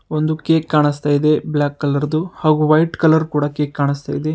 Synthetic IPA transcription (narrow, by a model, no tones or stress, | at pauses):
ond̪ukeːkːaːɳist̪aːjid̪e̞blaːkːɐlɐɾd̪uhaːɡuʋɐjʈkɐlɐɾkuːɽɐkeːkːaːɳist̪a̰ːjid̪e̞